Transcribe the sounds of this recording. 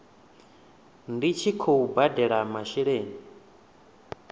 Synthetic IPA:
ndit͡ʃʰikʰoubadɛɺamaʃiɺeːni

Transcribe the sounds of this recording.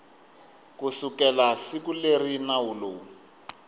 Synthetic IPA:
kusukɛlasikulerinauloː

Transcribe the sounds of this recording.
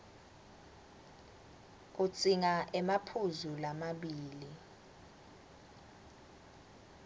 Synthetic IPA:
k̬ʼut͡sʼiŋaʔɛmapʰuzulamaɓiːli

